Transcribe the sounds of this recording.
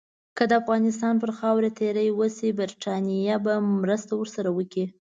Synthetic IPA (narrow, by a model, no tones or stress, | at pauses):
kəd̪əafɣɑnɪst̪ɑnpəɾxɑwɾet̪ʰeɾəjwəsibaɾʈɑnijabamɾəst̪awəɾsaɾawəki